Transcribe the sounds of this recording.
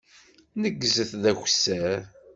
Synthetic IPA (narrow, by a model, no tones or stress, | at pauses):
nəɡːzəθðæçsːæɾ